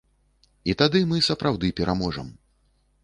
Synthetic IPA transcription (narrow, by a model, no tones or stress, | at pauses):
it̪ad̪ɨmɨsɐpɾʔawd̪ɨpʲɛɾʔamɔʐɐm